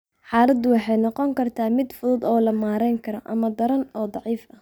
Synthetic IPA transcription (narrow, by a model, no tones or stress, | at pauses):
ħɑːlɐd̪ʊwɑħɑjnɔqɔŋkʰɐrt̪ʰaːmɪd̪fʊðʊd̪ɔːlɐmaːɾɛjŋkʰɐɾɐʔɐmɐd̪ɐɾɐnɔːd̪ˤɑʕiːfɐ